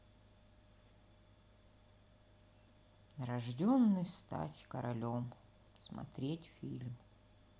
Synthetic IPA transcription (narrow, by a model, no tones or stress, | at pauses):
ɾɐʐdʲonːɨjst̪a̰tʲkəɾɐlʲom | smɐ̰t̪ɾʲetʲfʲilʲm